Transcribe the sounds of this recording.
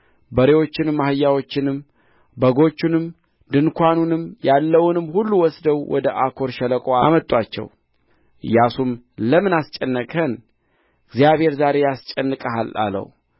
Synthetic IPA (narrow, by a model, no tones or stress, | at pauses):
bəɾewo̞t͡ʃːɪnmːahɨjːawo̞t͡ʃːɪnɨm | bəɡo̞t͡ʃːunɨm | d̪ɨnkʰʷanunɨmjalːəwnɨmːhulːuwɔsd̪əwwʔɔ̰d̪əʔakʰo̞ɾʃɛləkʼoamət̪ʼːwat͡ʃːɛ̰w | ʔɨ̰jːasum | ləmɨnast͡ʃʼɛnːəkʰʼən | ɡzjaβhe̞ɾzaɾe̞jast͡ʃʼɛnːɨkʼəɦala̰lə̰w